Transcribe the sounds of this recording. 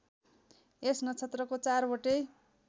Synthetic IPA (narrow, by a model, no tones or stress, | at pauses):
esnʌt͡sʰet̪rʌkot͡sarboʈe